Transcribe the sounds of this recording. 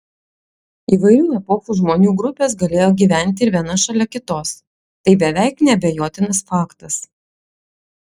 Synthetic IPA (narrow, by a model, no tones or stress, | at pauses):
iːʋɐɪɾʲuːɛpoːfuʒmoːnʲuːɡɾʊpʲeːsɡɐlʲeːjoːɡʲiːʋʲæˑnʲˑt̪ʲɪɪɾʋʲiɛnɐʃɐlʲɛkʲɪt̪oːs | t̪ɐɪbʲɛʋʲæɪknʲɛɐbʲejoːt̪ʲɪnɐsfɑːkt̪ɐs